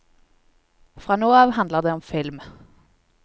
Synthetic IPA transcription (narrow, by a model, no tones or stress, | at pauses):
fʁɑːnoːɑːʋhɑnd̪ləʁd̪eːɔmfɪlm